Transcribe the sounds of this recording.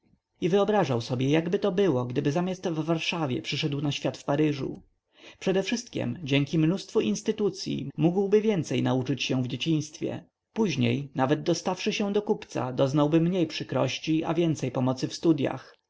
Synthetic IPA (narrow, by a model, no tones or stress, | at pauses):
ivɘɔbɾaʐawsɔbʲjɛjaɡbɘt̪ɔbɘwɔɡd̪ɘbɘzamʲjast̪vːaɾʂavʲjɛ̰pʂɘʂɛd̪wnaɕfʲat̪fpaɾɘʐṵ | pʂɛd̪ɛfʂɘst̪̚kʲɛ̰md͡ʑɛŋkʲimnust̪fuinst̪ɘt̪ut̪sʲjḭmuɡwbɘvʲjɛnt̪sɛjnaut͡ʂɘt͡ɕɕɛ̃vd͡ʑet͡ɕĩɲ̃st̪fʲjɛ̰ | puʑɲejnavɛd̪̚d̪ɔst̪afʂɘɕɛ̃d̪ɔkupt̪sa̰d̪ɔznawbɘmɲejpʂɘkɾɔɕt͡ɕiavʲjɛnt̪sɛjpɔmɔt̪sɘfst̪ud̪ja̰x